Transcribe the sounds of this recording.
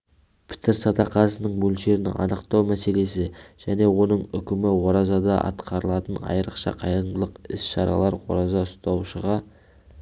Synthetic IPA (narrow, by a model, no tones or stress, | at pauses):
pʰɪ̥t̪ɪɾsɑt̪ɑqɑsənəɴmɵlʃe̞ɾɪnɪ̰ŋɑ̰nəqt̪ɑwmæse̞le̞sɪʒ̥æne̞wo̞nəɴʏkʲɪmɪwoɾɑzɑd̪ɑʔɑ̰t̪qɑɾəlˠɑt̪ənɑ̰jəɾəqʃɑ̰qʰɑjɾəmd̪lˠəqɪsʃɑɾɑ̰lˠɑɾwo̞̰ɾɑzɑʊst̪ɑwʃəʁɑ